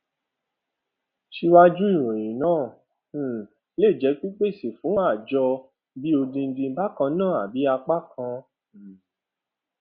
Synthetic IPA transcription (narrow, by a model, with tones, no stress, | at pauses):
ʃi˧wa˦d͡ʒu˦i˦˨ɾ̃ũ˨j̃ĩ˨nãː˦˨˦ | le˦˨d͡ʒɛ˨˦k͡pi˦k͡pe˦˨si˨fũ˨˦a˦˨d͡ʒɔ˧ | bi˦o˧dĩ˧n̩˧dĩ˧˦ba˦kã˧nãː˦˨a˨bi˨˦a˧k͡pa˦kʰã˧˨